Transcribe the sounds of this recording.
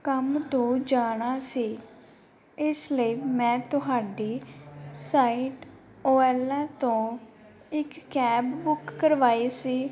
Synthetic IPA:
kəmt̪õːd͡ʒaːɽ̃aːsiː | ɪsləiːmɛ̃ːt̪ʊɦaːɖiːsaːiːʈ | oːɛːlɛːt̪õː | ɪkːɛːbːʊkːəɾʋaːiːsiː

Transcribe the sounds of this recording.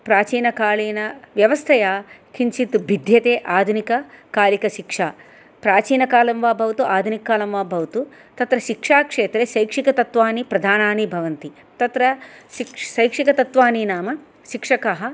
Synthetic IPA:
pɾaːt͡ʃiːnɐkaːɭiːnɐʋjɐʋɐst̪ʰɐjaːkʰiɲt͡ʃit̪ubʱid̪ʱjɐt̪eːʔaːd̪ʱunikɐkaːlikɐʃikʂaː | pɾaːt͡ʃiːnɐkaːlɐmʋaːbʱɐʋɐt̪uʔaːd̪ʱunikːaːlɐmʋaːbʱɐʋɐt̪u | t̪ɐt̪ɾɐʃikʂaːkʂeːt̪ɾeʃɐjkʂikɐt̪ɐt̪ʋaːnipɾɐd̪ʱaːnaːnibʱɐʋɐnt̪i | t̪ɐt̪ɾɐʃiksɐjkʂikɐt̪ɐt̪ʋaːninaːmɐ | ʃikʂɐkɐɦɐ

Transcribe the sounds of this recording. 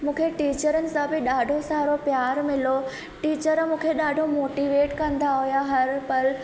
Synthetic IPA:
mũːkʰeʈiːt͡ɕəɾənɪ̆sãbɪɗaːɖʱosaːɾopjaːɾmɪlo | ʈiːt͡ɕəɾmũːkʰeɗaːɖʱomoːʈiʋeːʈkɐ̃nd̪aɦujaɦɐɾpɐɾ

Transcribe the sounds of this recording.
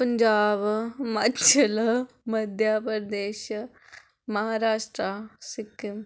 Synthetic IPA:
pəɲd͡ʒaːbmat͡ʃʰɐl | mɐd̪ʱjaːpəɾd̪eːʃ | mɐɦaːɾaːʃʈɾasikːim

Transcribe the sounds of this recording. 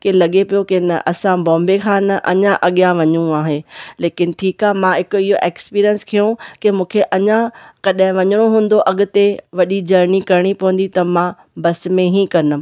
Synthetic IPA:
kelɐɠepijokɪnɐ̰ʔɐsãbɔ̃ːmbekʰãːnɐʔɐɲãʔɐɠijãʋɐɲũaːɦeleːkɪnɪ̆ʈʰiːkaːɦemãɦɪkʊɪɦoʔeːkspiːɾiənskʰijũkemũːkʰeʔɐɲãkɐɗ̃ɦɪ̃ʋɐɲəɽ̃oɦũːn̆d̪oʔɐɠʊ̆t̪eʋɐɗid͡ʑɐɾnikɐɾɪɽ̃ipɐə̃n̆d̪it̪ɐmã | bɐsmẽɦĩkɐɾnʊ

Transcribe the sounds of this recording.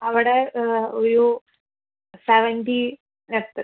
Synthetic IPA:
ɐʋiɽeoɾu | seʋenɖi | net̪ːɨ

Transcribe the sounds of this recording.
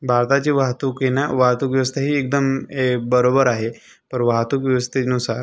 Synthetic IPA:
bʱaɾt̪at͡ɕiʋaɦt̪ukenaʋaɦt̪ukʋjʋəs̬t̪ʰəɦiːek̚d̪əmebəɾobəɾaɦe | pəɾʋaɦt̪ukʋjiʋəst̪enusaɾ

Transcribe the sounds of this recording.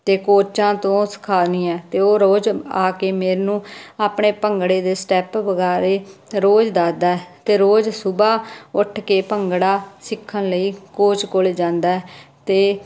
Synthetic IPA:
t̪eːkoːt͡ʃãːt̪õːsə̥kʰaːnĩːɛːt̪eːoːɾoːd͡ʒaːkeːmeːɾnũːaːpɳeːpəŋɡɽeːd̪eːsʈɛːpʋəɡaːɾeːɾoːd͡ʒd̪aːd̪aːɛːt̪eːɾoːd͡ʒsʊbaːʊʈʰkeːpəŋɡɽaːsɪkʰːənləiːkoːt͡ʃkoleːd͡ʒãːnd̪aːɛːt̪eː

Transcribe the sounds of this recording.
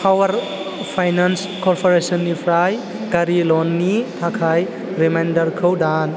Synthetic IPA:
pʰawɐɾ | pʰajnans | kɔɾpʰɔɾesɔnːipʰɾaj | ɡaɾilɔnːitʰakʰaj | ɾemajndɐɾkʰəwdan

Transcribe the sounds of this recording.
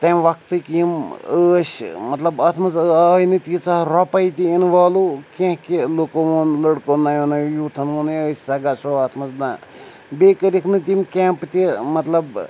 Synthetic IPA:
t̪ɐmʋɐkt̪ɨkiiməːʃmɐt̪lɐbɐːt̪ʰmɐzaːjnɨt̪it͡saɾɔpɐjt̪ʲiinʋaːlukʲẽhkilokoʋoːnləɽkonajonɐjjuːt̪ʰɐnʋɐnɨəːsʲsɐɡasoɐːt̪ʰmɐzd̪a̰ː | bekəɾikʰnɨt̪imkʲɛːmpt̪ʲimɐt̪lɐb

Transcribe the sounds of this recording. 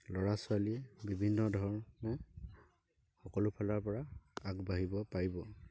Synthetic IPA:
lɔɹasʊaliɛbibʱinːɔdʱɔɹmɔ | xɔkɔlʊpʰalaɹpɔɹaakbaɦibɔpaɹibɔ

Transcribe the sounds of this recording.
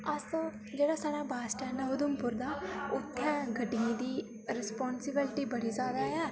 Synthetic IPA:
əsoː | d͡ʒeːɽaːsaːɾaːbaːsʈɛːnəʊd̪ʊmpʊɾd̪aːʊt̪ʰːɛ̃ːɡəɖiĩːd̪iː | ɾɪspɔːnsɪbɪlɪʈiːbəɽiːzaːd̪aːjaː

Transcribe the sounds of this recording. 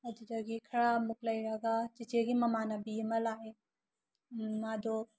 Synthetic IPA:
ɐdid͡ʒɐɡikʰɐɾamuklɐjɾɐɡat͡ʃit͡ʃeɡimɐmanabimɐlae | mad̪o

